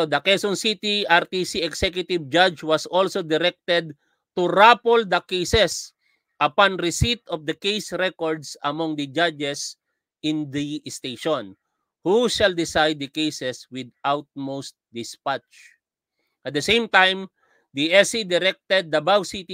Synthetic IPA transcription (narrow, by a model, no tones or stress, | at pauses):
d̪ɐkɛsɔ̃nsit̪iʔaɹt̪isiɛɡsɛkjʊt̪ɪvd͡ʒad͡ʒwɐsɔlsod̪ɪɾɛk̚t̪ɛd̪̚ | t̪uɾapɔld̪ɐkejsɛs | ʔɐpãnɾɪsit̪ɔfd̪ɐkejsɹɛkɔɹd̪sɐmɔ̃ŋd̪ɐd͡ʒad͡ʒɛs | ʔɪ̃nd̪iɪst̪ejʃɔ̃n | huʃald̪ɪsajd̪̚ːɐkejsɛswɪd̪awt̪̚mowst̪d̪ɪspat͡ʃ | ʔɐt̪̚d̪ɐsẽjmt̪ãjm | d̪iɛsid̪ɪɾɛk̚t̪ɛd̪̚ːɐbawsit̪i